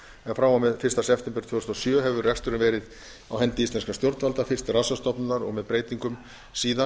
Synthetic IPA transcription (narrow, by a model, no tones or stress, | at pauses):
ɛnfɾawawmɛðfɪrst̪asɛft̪ɛmpɛɾt̪ʰoːðʏsɔsjœːɦɛvʏrɛkst̪ʏɾɪnvɛːɾɪð | awɦɛnt̪ɪist̪lɛnskast̪jɔɾt̪valt̪aɾfɪrst̪rasast̪ɔpnʏnaɾɔ̰ɣmɛðpɾeːjt̪iŋkʏm | siːða